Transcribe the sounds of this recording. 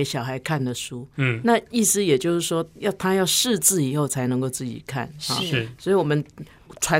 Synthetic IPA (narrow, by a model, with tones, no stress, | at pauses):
ɕjɑ˨˩ʊxa˧˥ɪkʰa˥˩nd̪ə˩ʂu˥na˥˧i˥˩sɹ̩˥jɛ˨˩t͡ɕjo˥˧ʊʂɻ̩˥˩ʂwɔ˥jɑ˥˩ʊt̪ʰa˥jɑ˥˧ʊʂɻ̩˥˧t͡sɹ̩˥˩i˨˩xo˥˩ʊt͡sʰa˧˥ɪnə˧˥ŋko˥˧ʊt͡sɹ̩˥˩t͡ɕḭ˨˩kʰa̰˥˩nhɐ̰˨˩swɔ˧˥i˨˩wɔ˨˩mə˦n | ʈ͡ʂʰwa˧˦